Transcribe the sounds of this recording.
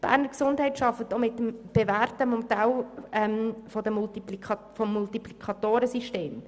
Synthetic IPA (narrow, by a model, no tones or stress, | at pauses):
b̥æ̰ːɾnəɾksʊndhɛɪtʃɑfət̪omɪt̪ːəmb̥evæːɾtəmɔmtalɛmfɔd̪əmultilifɔmːultiplikʰɑt̪oːɾəsiʃteːm